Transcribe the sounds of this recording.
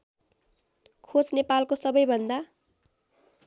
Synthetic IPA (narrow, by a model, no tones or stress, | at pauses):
kʰosnepalkosʌbʌjbʱʌnd̪a